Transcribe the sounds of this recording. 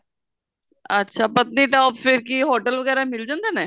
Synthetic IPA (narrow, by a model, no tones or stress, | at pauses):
ətːʃʰaːpət̪niʈaːpfʰɪɾkiɦoːʈəlʋəɡɛːɾamɪld͡ʒãːnd̪aːnɛː